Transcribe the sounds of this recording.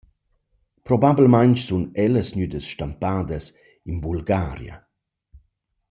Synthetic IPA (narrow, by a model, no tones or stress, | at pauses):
pɾɔbablmajnt͡ʃsunɛləsɲyd̪əsʃtampaːd̪əs | inbulɡaːɾja̰